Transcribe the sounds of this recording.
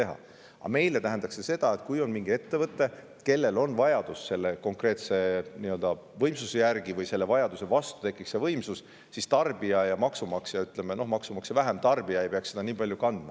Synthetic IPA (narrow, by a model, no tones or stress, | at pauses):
e̞ɦɑ̰ | ɑ̰me̞jlet̪æɦend̪ɑkse̞se̞d̪̥ɑe̞t̪kujo̞nmiŋɡ̥ie̞t̪ːe̞vɤt̪ːˑe̞ | ke̞lːe̞lo̞nvɑjɑd̪̥usse̞lːe̞ko̞ŋkre̞ːt̪se̞niːø̞ld̪ɑ | vɤjmsusejærɡivɤjse̞lːe̞vɑjɑd̪̥use̞vɑst̪u̥t̪e̞kːˑikse̞vɤjmsus | sist̪ɑrb̥iɑjɑmɑksumɑksejɑyt̪ːˑle̞meno̞hmɑksumɑksevæɦe̞mt̪ɑrbiɑe̞jpeɑkse̞d̪ɑniːpɑlʲjukɑnd̪̥mɑ